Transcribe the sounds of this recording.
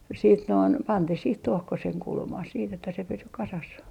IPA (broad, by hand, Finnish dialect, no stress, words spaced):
siːt noin pɑntih sih tuohkoseŋ kulmɑh siːt etːæ se pysy kɑsɑs